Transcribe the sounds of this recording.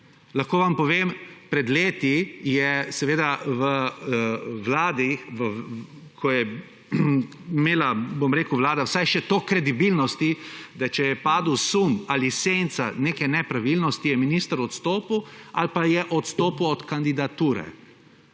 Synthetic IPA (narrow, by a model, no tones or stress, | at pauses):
laxkoːʋampɔʋeːmpɾɛd̪leːt̪ijɛsɛʋeːd̪aʋə | ʋlaːd̪iʋə | kʰɔjɛ | meːlabomɾeːkuʋlaːd̪awsajʃɛt̪okɾɛd̪ibilnɔst̪id̪at͡ʃɛjɛpaːd̪uwsumalisent̪sa̰neːkɛnɛpɾaʋilnɔst̪ijɛminist̪əɾɔt̪st̪oːpuwalpajɛʔɔt̪st̪oːpuwɔt̪kand̪id̪at̪uːɾɛ̰